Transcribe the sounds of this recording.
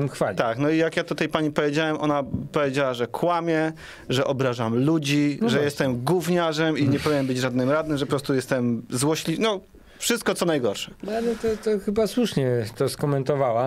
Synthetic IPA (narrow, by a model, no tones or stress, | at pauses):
mxfat̪aknɔijakjat̪ut̪ajpaɲipɔvʲjed͡ʑawɛmʔɔnapɔvʲjed͡ʑawaʐɛkʰwamʲjɛ | ʐɛʔɔbɾaʐamlud͡ʑiʐɛjɛst̪ɛmɡuvɲaʐɛmiɲɛpɔvʲiɲɛnmbɘd͡ʑʐad̪nɘmɾad̪nɘmʐɛpɔpɾɔst̪ujɛst̪ɛmzwɔɕlʲinɔ | fʂɘst̪̚kɔt̪sɔnajɡɔɾʂɛ̥alɛt̪ɔt̪ɔxɘbaswuʂɲɛt̪ɔskɔmɛnt̪ɔvawa